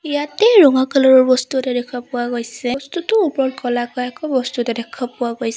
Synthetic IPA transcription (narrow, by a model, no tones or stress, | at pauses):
ijatɛɹɔŋakalɔɹɔɹbɔstutɛdɛkʰapʊwaɡojsɛstutʊupɔlkɔlakɔjakɔbɔstutɛdɛkʰɔpʊwaɡojs